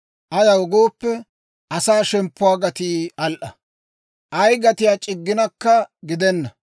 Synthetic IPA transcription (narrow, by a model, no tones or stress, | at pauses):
ʔɐjɐwɔɡoːpːɛ | ʔɐsaːʃɛmpːʊwaːɡɐt̪iːɐlʔɐ | ʔɐjɡɐt̪ɪjaːt͡ʃʼɪɡːɪnɐkːɐɡɪd̪ɛnːɐ